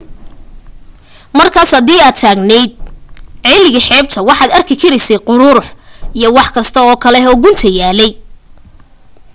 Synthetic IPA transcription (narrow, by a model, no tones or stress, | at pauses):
mɐrkʰaːshɐðiːaːd̪t̪ʰaːɡnɛjd̪̚ʕɪlːɪɣɪħɛːb̚t̪ʰɐwɑħɑːd̪ɐrkʰɪkʰɐɾɛjsɛqʊɾuːɾħijɞwɑħkʰɐst̪ʰɐɔːkʰɐlɛɦɔːɡʊnt̪ʰɐjaːlɛj